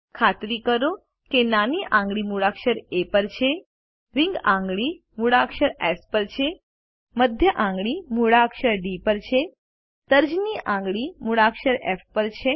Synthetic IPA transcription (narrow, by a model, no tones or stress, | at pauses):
kʰat̪ɾikəɾo | kenaniʔãŋɡɭimuɭakʃəɾepəɾt͡ʃʰe | ɾiŋɡãŋɡɭi | muɽakʃəɾefpəɾt͡ʃʰe | məd̪ʱjəʔãŋɡɭimuɽakʃəɾɖipəɾt͡ʃʰe | t̪əɾd͡ʒniʔãŋɡɭimuɽakʃəɾefpəɾt͡ʃʰe